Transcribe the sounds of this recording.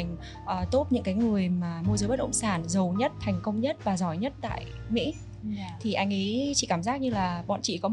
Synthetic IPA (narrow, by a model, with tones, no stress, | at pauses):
jŋ̟ | ʔəː˨˩t̪o˦˥t̚ɲɨ̰˧˥ŋkaː˨˦jŋɨ˨˩əjmaː˨˩mu˧zəː˨˦jɓə˦˥t̚ʔə̰˧˨wŋ͡msaː˧˩nzə˨˩wɲə˦˥t̚t̪ʰɛ˨˩jŋ̟kə˧wŋ͡mɲə˦˥t̚vaː˨˩zɔ˧˩jɲə˦˥t̚t̪a̰ː˧˨j | mḭ˧˥ | t̪ʰi˨˩ʔa˧jŋ̟ʔi˨˦t͡ɕḭ˧˨kaː˧˩mzaː˦˥k̚ɲɨ˧laː˨˩ɓɔ̰˧˨nt͡ɕḭ˧˨kɔ˨˦